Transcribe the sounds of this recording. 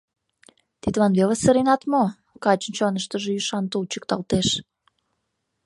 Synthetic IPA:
t̪it̪βɑnβeləsəɾinɑt̪mo | kɑt͡ɕənʲt͡ɕonəʃt̪əʒejyʃɑnt̪ult͡ɕə̥k̚t̪ɑlt̪eʃ

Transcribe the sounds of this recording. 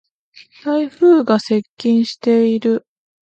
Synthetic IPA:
t̪aiɸɯ̟ːɡase̞kʲːĩɰ̃ɕi̥t̪e̞iɾɯ̟

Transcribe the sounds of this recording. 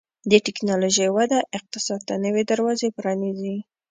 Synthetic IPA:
d̪əʈɪknɑloʒəjwad̪aʔɪq̚t̪ɪsɑd̪̚t̪anəwed̪əɾwɑzepɾɑnizi

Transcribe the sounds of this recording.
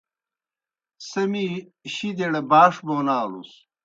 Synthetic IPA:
sɐmiɕid̪eɽɐbaːʂbonaːlṵs

